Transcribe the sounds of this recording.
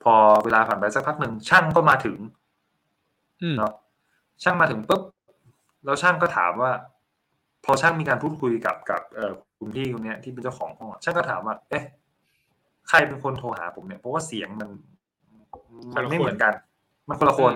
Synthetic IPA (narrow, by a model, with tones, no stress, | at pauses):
pʰɔː˧weː˧laː˧pʰa˨˩np̬a˧jt͡ɕa˨˩k̚pʰa˦˥k̚nɯ˨˩ŋt͡ɕʰa˥˩ŋkɔː˥˩maː˧t̪ʰɯ˩˦ŋ | nɔ˦˥ | t͡ɕʰa˥˩ŋmaː˧t̪ʰɯ˨˩˦ŋpɯ˦˥p̚ | ɾɛ˧wt͡ɕʰa˥˩ŋkɔː˥˩t̪ʰa̰ː˩˦mwaː˥˩ | pʰɔː˧t͡ɕʰa˥˩ŋmiː˧kaː˧pʰuː˥˩t̪̚kʰu˧jka̰˨˩p̚ka̰˨˩p̚ʔɤː˨˩kʰu˧nt̪ʰiː˥˩kʰu˧nːi˦˥ɐt̪ʰiː˥˩pe˧nt͡ɕa˥˩wkʰɔ̰ː˩˦ŋkʰɔ˧˥˩ɔ˨˩t͡ɕʰa˥˩ŋkɔ˥˩t̪ʰaː˩˦mwaː˥˩ʔe˦˥˩ | kʰa˧jpe˧nkʰo˧nt̪ʰoː˧ha̰ː˩˦pʰo˩˦mni˥˩ɐpʰɔ˦˥waː˥˩si˨˩˦əŋma˧nː˧ | ma˧nma˥˩jm˩˦ənka˧n | ma˧nkʰo˧la˧kʰo˧n